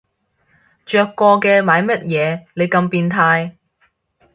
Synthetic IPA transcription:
t͡ʃœː˧kːɔː˧kɛː˧maː˨˧jmɐ˥t̚jɛː˨˧ne˨˧jkɐ˧mpiː˧nt̪ʰaː˧j

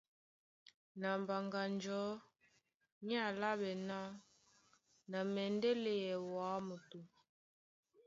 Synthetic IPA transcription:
na˨mba˨ŋɡa˨nd͡ʒɔ˨˦ | ɲ˦a˦˨la˦ɓɛ˨na˦ | na˨mɛ˨ndɛ˦le˨jɛ˨wa˨˦mo˨tu˨

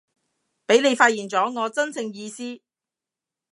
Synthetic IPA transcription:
pe˨˥jne˨˧jfaː˧t̚jiː˨˩nt͡sɔː˨˥ŋɔː˨˧t͡sɐ˥nt͡sʰɪ˧ŋjiː˧siː˥

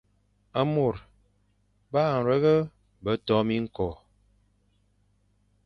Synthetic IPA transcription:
ə˦mo˨ɾ | baː˦˨n̩˨ɾə˦ɣə˦ | bə˨˦tɔ˦mi˦ŋ̩˦kɔ˨

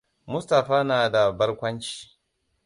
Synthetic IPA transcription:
mʊ˦sta˨ɸaː˦naː˨da˨bɐ˦rkʷɐ˦nt͡ʃi̥ː˨

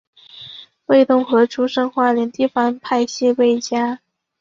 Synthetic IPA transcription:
we˥˧ɪt̪ʊ˥˩ŋxɤ˧˥ʈ͡ʂʰu˥ʂɤ˥ŋxwa˥˩ljɛ˧˥nt̪i˥˩fa˥npʰa˥˧ɪɕi˥˧we˥˩ɪt͡ɕja˥

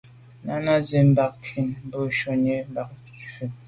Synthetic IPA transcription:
na˦na˦ze˨m˦ba˨k̚kʰi˨nm˦bo˦ʃɔ˨ɲe˦m˦ba˨k̚ | t͡ʃə˨

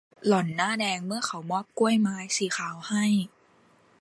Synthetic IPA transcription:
lɔ˨˩˦nːaː˥˩dɛː˧ŋmɯ˥˩ɐxʰa˨˩˦wmɔː˥˩p̚ku˥˩əjmaː˧jsiː˨˦xʰaː˨˩˦wha˥˩j

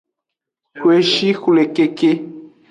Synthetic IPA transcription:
kwe˨ʃi˦xu˨le˨ke˦ke˦

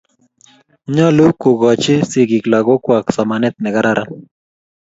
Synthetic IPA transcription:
ɲɔ˦lu˦ku˨ɡɔ˨t͡ʃɪ˦si˨ɡi˨kla˨ɣo˦kwa˨ksa˨manɪ˦t̪̚mɛ˨ɡa˦ɾa˦ɾʔa˦

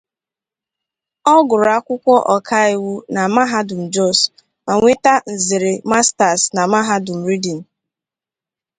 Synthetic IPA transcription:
ɔ˦ɡʊ˨ɾa˦kʷʊ˦kʷɔ˦ʔɔ˨kʰa˦i˦˨wu˦na˨ma˦ɦa˦dʊ˨m̩˨d͡ʒɔ˦˨s | ma˨ŋʷe˦ta˦n̩˨zɪ˨ɾe˨ma˦sta˨sna˨ma˦ɦa˦dʊ˨m̩˨ɾi˦di˨n̩˨

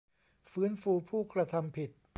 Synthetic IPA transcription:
fɯː˦˥nfuː˧pʰuː˥˩kɾa˧t̪ʰa˧mpʰi˨˩t̪̚

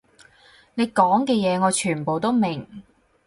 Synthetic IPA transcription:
ne˨˧jkɔː˨˥ŋkɛː˧jɛː˨˧ŋɔː˨˧t͡ʃʰyː˨˩npo˨wt̪o˥wmɪ˨˩ŋ

